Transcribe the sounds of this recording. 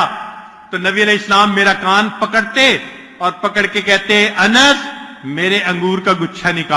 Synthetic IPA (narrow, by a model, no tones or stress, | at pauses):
t̪onɐbiɐleɪslaːmːeːɾakaːnpɐkəɽt̪e | ɔːɾpɐkəɽkekɛɦt̪eɛ̃ʔɐnəsmeːɾeʔɐ̃ŋɡuːɾkaɡʊtːʃʰanɪkaː